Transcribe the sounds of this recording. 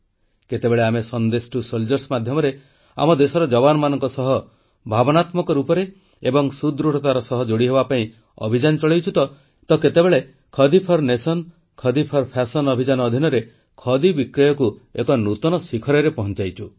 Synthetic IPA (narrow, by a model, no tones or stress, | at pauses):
ket̪ebeɭeamesɔnd̪esʈusold͡ʒɔɾsmad̪ʱjɔmɔɾe | a̰mɔd̪esɔɾɔd͡ʒɔbanɔmanɔŋkɔsɔɦɔ | bʱabɔnat̪mɔkɔɾupɔɾe | ebɔŋsud̪ɾuʈʰɔt̪aɾɔsɔɦɔd͡ʒoɽiɦebapaĩ | ɔ̰bʱid͡ʒanɔt͡ʃɔɭejt͡ʃʰut̪ɔ | t̪ɔket̪ebeɭe | kʰɔd̪ipʰɔɾnesɔn | kʰɔd̪ipʰɔɾpʰasɔnɔbʱid͡ʒanɔːd̪ʱinɔɾe | kʰɔd̪ibikɾɔjɔkuekɔnut̪ɔnɔsikʰɔɾɔɾepɔɦɔnt͡ʃajt͡ʃʰu